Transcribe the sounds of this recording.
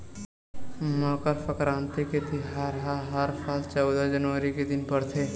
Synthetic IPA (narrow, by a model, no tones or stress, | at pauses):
nɔːkəɾfʰəkɾãːnt̪iket̪ɪɦaɾɦaɦəɾfʰaːlt͡ʃɔːd̪ad͡ʒɐnʋəɾiked̪ɪnpɐɾt̪ʰeː